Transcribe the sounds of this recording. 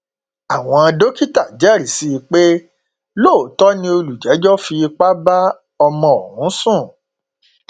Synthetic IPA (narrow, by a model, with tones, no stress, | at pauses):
a˨w̃ɔ̃˧ã˧do˦ki˦ta˦˨d͡ʒɛ˦˨ɾi˨si˦i˧k͡pe˦ | lo˦˨tɔ˦nĩ˧o˧lu˨d͡ʒɛ˨˦d͡ʒɔ˦fi˧k͡pa˦ba˦ | ɔ˧mɔ̃˧o˨hũ˨˦sũ˦˨